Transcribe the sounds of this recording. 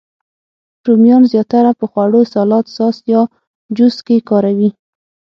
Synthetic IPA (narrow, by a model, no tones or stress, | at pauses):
ʈumjɑnzjɑt̪aɾapəxwaɽosɑlɑt̪sɑsjɑ | d͡ʒʊskekɑɾawi